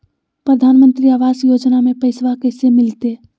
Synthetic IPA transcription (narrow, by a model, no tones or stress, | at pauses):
pɾəd̪ʱaːnmənt̪ɾiaːʋaːsjoːd͡ʒnamẽpəɪsʋakɛsemɪlt̪e